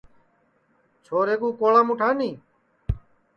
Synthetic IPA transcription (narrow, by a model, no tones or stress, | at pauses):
t͡ʃʰoːɾeːk̬uːkoːlãːmuʈʰaːnĩː